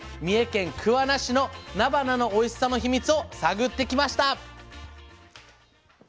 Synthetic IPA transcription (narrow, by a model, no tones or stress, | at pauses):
mʲie̞kẽ̞ŋkʰɯ̟βanaɕino̞nabanano̞ːisɨ̥sːano̞çimʲit͡sɨo̞saɡɯ̟t̪ːe̞kʲimaɕi̥t̪a